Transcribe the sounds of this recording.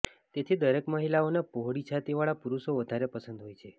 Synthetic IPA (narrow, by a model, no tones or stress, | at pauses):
t̪et̪ʰid̪əɾekməɦilaonapoɦɽit͡ʃʰat̪iʋaɭapuɾuʃoʋəd̪ʱaɾepəsənd̪ɦojt͡ʃʰe